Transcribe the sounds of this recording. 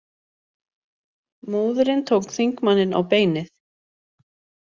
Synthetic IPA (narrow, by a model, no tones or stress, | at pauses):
muːðʏɾɪnt̪ʰowkθiŋkmanːɪna̰wpeːjnɪθ